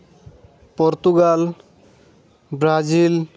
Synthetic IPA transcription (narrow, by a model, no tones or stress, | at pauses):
pɔɾt̪uɡal | bɾad͡ʒil